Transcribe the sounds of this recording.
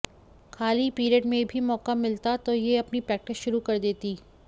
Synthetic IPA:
xʰaːlipiːɾiəʈmẽbʱimɔːkamɪlt̪at̪ojeɐpnipɾɛːk̚ʈɪsʃʊɾukɐɾd̪eːt̪iː

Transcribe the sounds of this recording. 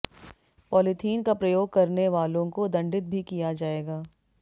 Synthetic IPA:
pɔːlɪt̪ʰiːnkapɾɐjoːɡ̚kɐɾneʋaːlõkod̪ɐ̃ɳɖɪt̪̚bʱikijad͡ʒaːeːɡaː

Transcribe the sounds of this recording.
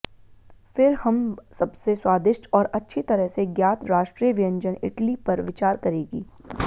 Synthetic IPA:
fɪɾhɐmsɐbseswaːd̪ɪʃʈɔːɾɐtːʃʰit̪ɐɾəɦseɡjaːt̪ɾaːʃʈɾijəʋɪjə̃ɲd͡ʒənɪ̰ʈlipɐɾʋɪt͡ʃaːɾkɐɾeːɡḭː

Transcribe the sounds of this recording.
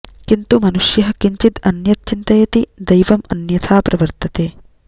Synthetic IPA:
kint̪umɐnuʂjɐɦɐ̆kiɲt͡ʃit̪ɐnjɐt̪̚t͡ʃint̪ɐjɐt̪id̪ɐjʋɐmɐnjɐt̪ʰaːpɾɐʋɐɾt̪ʰɐt̪eː

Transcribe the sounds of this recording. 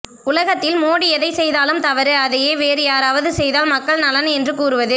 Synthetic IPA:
ʊlɐɣɐt̪ːɪlmoːɽiɛðɐɪsɛjðaːlɯmt̪ɐʋɐɾɯɐðɐjeːʋeːɾɯjaːɾaːʋɐðɯsɛjðaːlmɐkːɐɭnɐlɐnɛndrɯkuːɾɯʋɐðɯ

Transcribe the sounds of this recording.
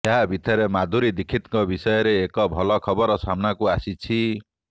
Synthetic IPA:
eɦabʱit̪ɔɾemad̪ʱuɾid̪ikʰit̪kɔbisɔjɔɾeːkɔbʱɔlɔkʰɔbɔɾɔsamnakuasit͡ʃʰi

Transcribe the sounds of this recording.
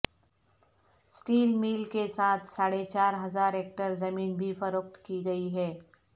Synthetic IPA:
sʈiːlmiːlkesaːt̪ʰsaːɽet͡ʃaːɾɦɐzaːɾeːk̚ʈəɾzɐmiːnbʱifɐɾʊkt̪kiɡɐiɦɛː

